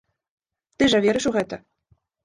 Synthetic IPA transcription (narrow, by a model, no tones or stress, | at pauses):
t̪ɨʒavʲeɾɘ̆ʃuɣɛt̪ə̆